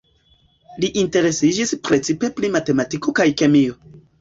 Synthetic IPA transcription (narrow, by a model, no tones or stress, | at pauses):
liʔinte̞ɾe̞sid͡ʒispɾe̞t͡sipeplimate̞matiko̞kajke̞mio̞